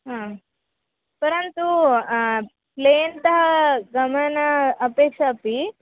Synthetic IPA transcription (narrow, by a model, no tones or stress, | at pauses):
ɦãː | pɐɾɐnt̪u | pleːnt̪ɐɦɐɡɐmɐnɐːpeːkʂɐːpi